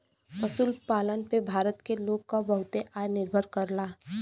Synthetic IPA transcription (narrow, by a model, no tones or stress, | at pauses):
pəsuːlpaːlənpebʱaːɾət̪keloːɡkabəɦʊt̪eʔaːjnɪɾbʱəɾkəɾlaː